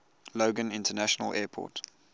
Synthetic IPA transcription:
loʊɡə̃nɪ̃ntənæʃənə̰lʔɛːpʰɔ̰ːˑt

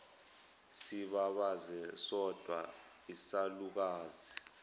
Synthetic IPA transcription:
siɓaɓazɛsɔd̥ʱwa̰ | isaluk̬aːzi

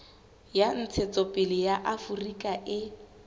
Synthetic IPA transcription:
jan̩t͡sʰet͡sɔpʼɪlɪjaʔafurikʼaʔɪ

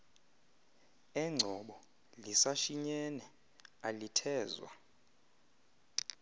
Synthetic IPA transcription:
ɛŋ͡ǀʱɔɓɔ | lisaʃiɲɛnɛ | alitʰɛːzwa̰

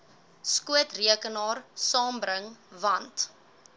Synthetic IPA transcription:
skuətriəkənɑːrsɑːmbɾəŋvɐnt

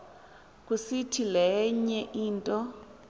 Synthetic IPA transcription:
k̬ʼusitʰilɛɲɛʔiːntʼɔ

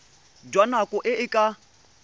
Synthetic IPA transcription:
dwanakʼʊʔɪʔɪkʼa

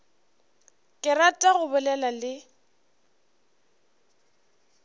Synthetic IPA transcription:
kʼɪratʼaɣʊbʊlɛlalɪ

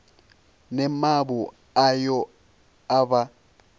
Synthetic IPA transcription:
nɛmabʊ | ajɔ | aba

